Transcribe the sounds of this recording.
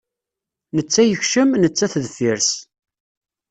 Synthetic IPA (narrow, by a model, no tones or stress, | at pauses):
nət͡sːæjəçʃəmnət͡sːæθðfiɾs